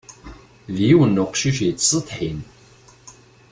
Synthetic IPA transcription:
ðjiwənːuqʃiʃt͡sːsət̪ˤħin

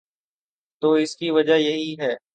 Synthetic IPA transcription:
t̪oːɪskiʋəd͡ʒajɐɦiɦɛː

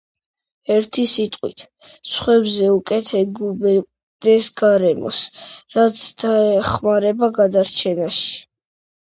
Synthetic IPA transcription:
ɛɾt̪ʰisit̪ʼqʼwḭt̪ʰ | sχwɛbzɛukʼɛt̪ʰɛɡubɛ | d̪ɛsɡaɾɛmɔ̰sɾat̪sʰd̪̥aɛχmaɾɛbaɡad̪aɾt͡ʃʰɛnaʃi̥

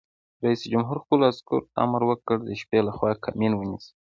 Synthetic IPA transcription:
ɾaisd͡ʒʊmɦuɾxkulaskʊ̰ɾa̰maɾwəkəɽd̪əʃpelaxwɑkʰaminwənis

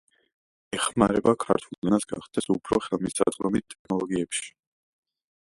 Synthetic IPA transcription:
ɛχmaɾɛbakʰa̰ɾt̪ʰulˠd̪ɛnasɡa̰χd̪̥ɛsupʰɾɔχɛlˠmisa̰d̪ʁɾɔmit̪̚t̪ʼːɛkʰnɔlˠɔɡiɛpʃi̥

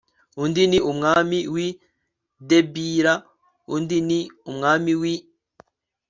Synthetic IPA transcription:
undiniʔumŋaːmiwi | debiɾa | undiniumŋaːmiwi

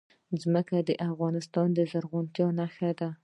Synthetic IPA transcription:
zməkad̪əʔafɣɑnɪst̪ɑnd̪əzaɾʁʊnt̪jɑnaxad̪a

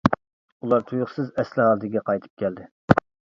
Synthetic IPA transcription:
ulˠɑɾt̪ʰujʊχsɨzɛslɪhɑlˠd̪ɪɡʲɛqʰɑjt̪ʰɨ̥p̚kʲʰɛld̪ɪ

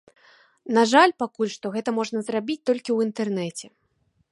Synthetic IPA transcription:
naʐalʲpakulʲʂt̪ɔɣɛt̪ɐmɔʐnɐzrabʲit͡sʲt̪ɔlʲkʲiwint̪ɛrnɛt͡sʲɛ

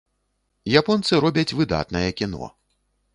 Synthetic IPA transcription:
japɔnt̪sɨɾɔbʲɐt͡sʲvɨd̪a̰t̪nɐjɛkʲinɔ̰

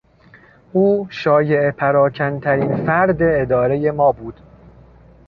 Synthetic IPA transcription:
ʔuːʃɒːje̞epʰæɾɒːcʰænt̪ʰæɾiːnfæɾd̪e̞ːd̪ɒːɾe̞je̞mɒːbuːd̪̥

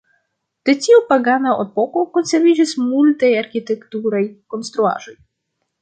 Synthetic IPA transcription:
t̪ɛt̪ʲiwpaɡanaɔt̪pɔkɔwkɔnsɛɾvʲiʒismult̪ɛjaɾxʲit̪ɛkt̪uɾɛjkɔnst̪ɾua̰ʐɛj

